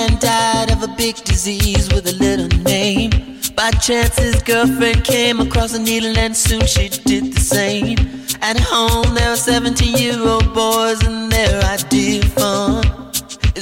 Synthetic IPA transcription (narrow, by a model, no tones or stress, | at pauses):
ɨ̃ndaɪɾʌvəbɪɡ̚dɨzizwɨðɨlɪɾl̩ˠnẽɪ̃m | b̥aɪt͡ʃʰæ̃nsɪzɡɜ˞lˠfɹɛ̃nd̚kʰẽɪ̃məkʰɹ̥ɔsəniɾə˞læ̃nd̥sʉ̃nʃidɪd̪̚ðɨsẽɪ̃mmɨt̚hõʊ̃mðəəsɛvɨ̃ntijɪɹoʊbɔɹzɨ̃nðə˞aɪdɪdfʌn